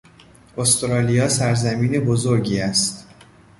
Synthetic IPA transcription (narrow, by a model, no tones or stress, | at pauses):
ʔost̪ɾɒːlijɒːsæɾzæmiːne̞bozo̞ɾɟiːæst̪